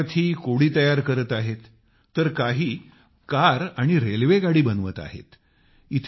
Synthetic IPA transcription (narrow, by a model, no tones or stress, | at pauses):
t̪ʰiːkoɽiːt̪əjaɾkəɾət̪aɦet̪ː | əɾkaɦiː | kaɾaɽ̃iɾelʋeɡaɽiːbənʋət̪a̰ɦḛt̪ | it̪ʰ